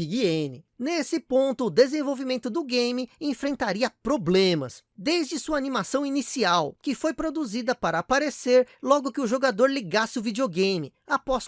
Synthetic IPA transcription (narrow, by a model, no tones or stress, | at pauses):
iɡiẽnɪnesɪpõnt̪ʊːd̪ezẽvowvimẽnt̪ʊd̪ʊɡẽjmɪẽfɾẽnt̪aɾiɐpɾoblẽmɐ̰s | d̪ejzd͡ʒɪsuɐaːnimasɐ̃w̃inisiawkɪfojpɾod̪uzid̪ɐpaɾɐːpaɾeseɾlɔɡʊkɪʊʒoɡad̪oɾliɡasɪʊvid͡ʒioɡẽjmɪ | apɔs